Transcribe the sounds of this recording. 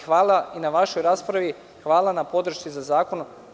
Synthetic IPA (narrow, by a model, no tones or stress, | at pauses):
xʋaːlˠainaʋaʃo̞jɾaːspɾaʋi | xʋaːlˠanapo̞d̪ɾ̩ʃt͡s̪izazaːkono